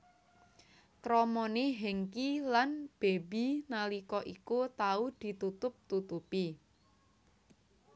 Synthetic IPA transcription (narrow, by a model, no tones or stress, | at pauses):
kɾɔmɔneɦɛŋkilanb̥ebinalikɔʔikut̪aud̪̥i̤t̪ut̪ʊp̚t̪ut̪upi